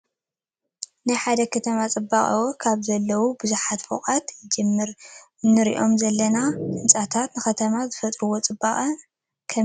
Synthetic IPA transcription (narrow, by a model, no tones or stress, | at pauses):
najħad̪ɐkʰɐt̪ʰɐmat͡sʼɨbaχʼɐ̰wokʰaβzɐlːɐwubɨzuħat̪fo̰qʼat̪d͡ʒɨmɨɾ | nɨɾḭʔo̞mzɐlːɐnaɨnt͡sʼat̪ʰat̪nɨxɐt̪ʰɐmazɨfɐt̪ʼɾuwo̞t͡sʼɨbaχʼɐ | kʰɐ